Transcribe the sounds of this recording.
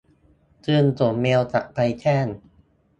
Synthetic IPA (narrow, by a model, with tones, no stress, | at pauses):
t͡ɕɯː˧ntu˨˩˦meː˧wt͡ɕa̰˨˩ʔpa˧jtʰɛː˥˩n